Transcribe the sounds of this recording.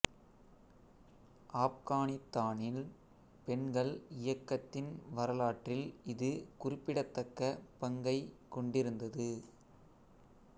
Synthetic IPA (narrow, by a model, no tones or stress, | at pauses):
ʔaːp̚kaːnɪt̪ːaːnɪl | pɛɳɡɐɭɪjɐkːɐt̪ːɪnʋɐɾɐlaːʈrɪlɪðɯkʊrɪpːɪɽɐt̪ːɐkːɐpɐŋɡɐɪkɔɳɖɪɾɯnd̪ɐðɯ